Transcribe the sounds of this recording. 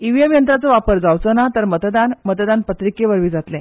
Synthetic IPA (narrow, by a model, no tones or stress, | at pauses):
iʋjəmjənt̪ɾat͡səʋapəɾd͡zawt͡sənat̪əɾmət̪d̪anmət̪d̪anpət̪ɾikeʋəɾʋiːd͡zat̪lẽ